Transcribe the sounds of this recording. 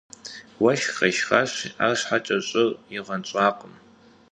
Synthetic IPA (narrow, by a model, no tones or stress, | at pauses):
wɐʃqɐʃχaɕa̰ːɕħat͡ʃʼɐɕʼɨriʁɐnt͡ʃʷʼaːqʼəm